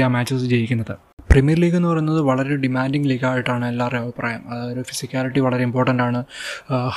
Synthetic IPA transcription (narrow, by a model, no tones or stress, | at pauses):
jaːmaːt͡ɕːɐsd͡ʑe̞jikʲːunːɐðɨ | primijɐrliːɡenːɨpɐrɐunːɐðɨʋɐɭɐɾeɖimaːnɖiŋɡliːɡaːjiʈːaːɳɨelːaːreɐʋipra̰ːjɐmɐðaːjoɾufisikʲjaːliʈːiʋɐɭɐɾe̞impo̞ːrʈːɐnɖaːɳɨ